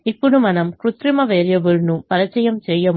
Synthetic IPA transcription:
ɪpːɔɽɯmɐnɐmkɾʊt̪ɾimɐʋeːɾjɐʋɯlnupɐɾɐt͡ʃːɐjɐmsɛjːɐm

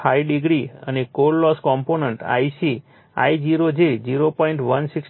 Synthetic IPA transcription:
aiɖiɡɾiə̰nekollɔskɔmponəɳʈa̰jsi | a̰id͡ʒiɾod͡ʒed͡ʒiɾopɔiɳʈʋənsik

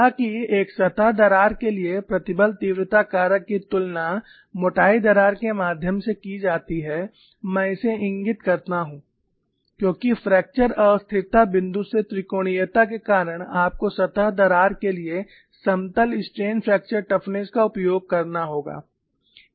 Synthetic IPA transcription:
akieːksɐt̪aɦd̪ɐɾaːɾkeliepɾɐt̪ɪbəlt̪iːʋɾɪt̪akaːɾəkːit̪ʊlna | moːʈaːid̪ɐɾaːɾkemaːd̪ʱjəmsekid͡ʒaːt̪iɦɛ | mɛ̃ːɪseɪ̃ŋɡɪt̪kɐɾt̪aɦũː | kjõːkifɾɛːk̚t͡ʃəɾɔːɾst̪ʰɪt̪abɪ̃nd̪uset̪ɾɪkoːɽ̃ijət̪akekaːɾəɽ̃aːp̚kosɐt̪aɦd̪ɐɾaːɾkelie | sɐ̃mt̪əlɪsʈɾeːnpʰɾɛːk̚t͡ʃəɾʈɐfʰneskaʊpjoːɡ̚kɐɾnaɦoːɡa̰ː

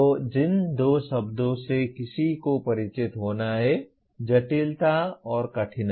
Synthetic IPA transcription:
od͡ʒɪnd̪oːʃɐbd̪õsekɪsikopɐɾɪt͡ʃɪt̪ɦoːnaɦɛ | d͡ʒɐʈɪlt̪aɔːɾkɐʈʰɪn

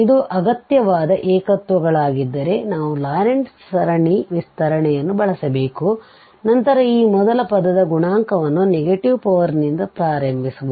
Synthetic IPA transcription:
id̪uʔɐɡɐt̪jɐʋaːd̪ɐʔɛːkɐt̪ʋɐɡɐɭaːɡid̪ːɐɾe̞naːʋulaːɾeɳssɐɾɐɳiʋist̪ʰɐɾɐɳɛjɐnːubɐɭɐsɐbeːku | nɐnt̪ɐɾɐiːmɔd̪ɐlɐpɐd̪ɐd̪ɐɡuɳaːŋkɐʋɐnːuneɡeʈiʋpɐʋɐɾnind̪ɐpɾaːɾɐmbʱisubu

